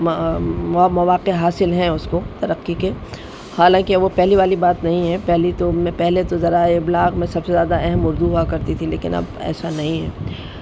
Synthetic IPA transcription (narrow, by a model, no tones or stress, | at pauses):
mɐʋaːqeɦaːsɪlɦɛ̃ʊskot̪ɐɾɐqːike | haːlãːkiɐʋopɛɦliʋaːlibaːt̪nɐɦĩɦɛpɛɦlit̪omɛ̃pɛɦlet̪ozɐɾaɪblaːɡmɛ̃sɐbsezjaːd̪aɛɦɛmʊɾd̪uɦuakɐɾt̪it̪ʰileːkɪ̰nɐ̰bɛ̰ːsanɐɦĩɦɛ̰ː